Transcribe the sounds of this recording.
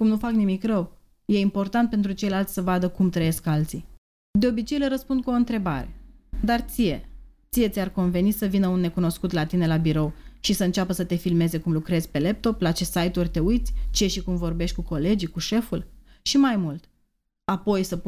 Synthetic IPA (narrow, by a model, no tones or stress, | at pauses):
kumnufaknimikrəw | je̞impo̞rt̪ant̪̚pe̞nt̪ɾut͡ʃe̞jlalt̪sʲsəvad̪əkumt̪ɾəje̞skalt̪si | d̪e̞obit͡ʃe̞jləɾəspund̪̚kuoɨnt̪ɾe̞baɾe̞̰d̪art̪sije̞t̪sije̞t̪sʲarko̞nve̞nisəvinəunːe̞kuno̞skut̪lat̪ine̞labiɾo̞wʃisəɨnt͡ʃʲapəsət̪e̞filme̞ze̞kumlukɾe̞zʲpe̞le̞p̚t̪o̞plat͡ʃe̞sajt̪urʲt̪e̞ujt̪sʲt͡ʃeeʃikumvo̞rbe̞ʃt̪̚ʲkuko̞le̞d͡ʒikuʃe̞ful | ʃimajmult̪ | apo̞jsəp